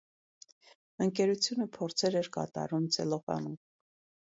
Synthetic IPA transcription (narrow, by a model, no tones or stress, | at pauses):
əŋkɛɾut͡sʰjunəpʰɔɾt͡sʰɛɾɛɾkɑ̰t̪ɑ̰ɾumt͡sʰɛ̰lɔvɑ̰num